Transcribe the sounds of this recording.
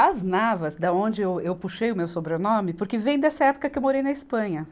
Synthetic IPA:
ɐznavɐzd̪ɐõnd͡ʒɪewewpuʃejʊmewsobɾenõmɪpoɾkɪvẽj̃d̪ɛsɐɛpʊ̥kɐkɪewmoɾejnɐispɐ̃ɲɐ

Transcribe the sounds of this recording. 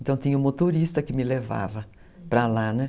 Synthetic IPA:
nt̪ɐ̃w̃t̪ĩɲɐũmot̪oɾist̪ɐkɪmɪleva̰vɐ | pɾɐlanɛ

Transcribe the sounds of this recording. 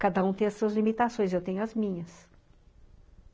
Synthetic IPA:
kad̪ɐũt̪ẽj̃ɐsuɐzlimit̪asõj̃zewt̪ẽɲʊɐzmĩɲɐs

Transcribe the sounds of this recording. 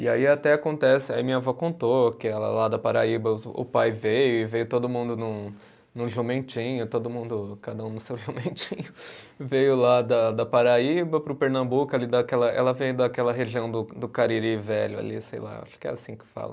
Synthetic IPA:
ɪaiat̪ɛakõnt̪ɛsɪaimĩɲɐvɔkõnt̪okɪɛlɐ̰lad̪ɐpaɾaibɐʊ̰pajvejʊɪvejʊt̪od̪ʊmũnd̪ʊnʊ̃ | nʊ̃ʒomẽt͡ʃĩɲʊt̪od̪ʊmũnd̪ʊkad̪ɐũnʊsewʒomẽt͡ʃĩɲʊ | vejʊlad̪ɐd̪ɐpaɾaibɐpɾʊpeɾnɐ̃mbukʊalid̪ɐkɛlɐʔɛ̰lɐvẽjʊd̪ɐkɛlɐɦeʒiɐ̃w̃d̪ʊd̪ʊkaɾiɾivɛʎʊa̰lḭsḛjla̰a̰ʃʊ̥kɪɛ̰asĩkɪ̥fa̰lɐ

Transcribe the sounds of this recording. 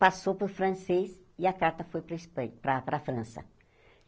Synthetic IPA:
pasowpoɾfɾɐ̃sesiɐkaɾt̪ɐfojpɾɐispɐ̃pɾɐpɾɐfɾɐ̃sɐ̰

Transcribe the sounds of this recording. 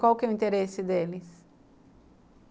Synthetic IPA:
kwawkɛuĩnt̪eɾesɪd̪elɪs

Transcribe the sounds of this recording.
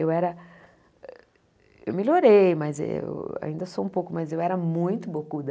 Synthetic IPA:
ewɛɾɐ | ḛwmelʲoɾejmɐzḛa̰ĩnd̪ɐsoũpowkʊmɐzewɛɾɐmũj̃t̪ʊbokud̪ɐ

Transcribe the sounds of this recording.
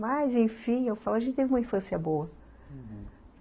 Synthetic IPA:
majzẽj̃fĩewfaluaɐʒẽnt͡ʃɪt̪evũmɐĩfɐ̃siɐbowɐ

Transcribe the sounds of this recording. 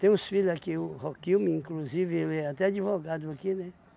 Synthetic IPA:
t̪ẽj̃ũsfilakiʊhokiwmɪĩŋkluzivɪelɛat̪ɛad͡ʒivoɡad̪ʊakinɛ

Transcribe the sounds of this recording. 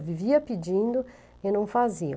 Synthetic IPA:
viviɐpid͡ʒĩnd̪ʊ | enɐ̃w̃fazi

